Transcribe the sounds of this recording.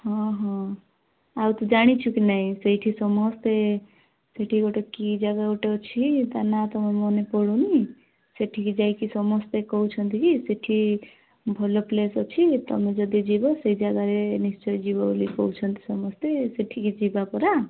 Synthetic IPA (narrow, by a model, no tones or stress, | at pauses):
hʌɔ̃ɦɔ̃ | awt̪ʌd͡ʒaɽ̃it͡ʃʰukinaĩsejʈʰisʌmɔst̪e | seʈʰiɡoʈokid͡ʒaɡaoʈeot͡ʃʰit̪anat̪ɔmemɔnepɔɽũni | seʈʰikid͡ʒajkisʌmɔst̪ekɔut͡sʰʌnt̪ʰikiseʈʰi | bʱɔloplesot͡ʃʰit̪ʌ̰mẽd͡ʒʌd̪id͡ʒibosejd͡ʒaɡaɾenist͡ʃɔjd͡ʒibalikɔ̰wt͡ʃʰʌnt̪i̥sʌmɔst̪eseʈʰikid͡ʒibapɔɾa